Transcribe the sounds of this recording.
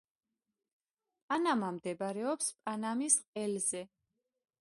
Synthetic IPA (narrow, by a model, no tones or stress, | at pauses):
pʼanamamd̪ɛbaɾɛɔpspʼanamisqʼɛlzɛ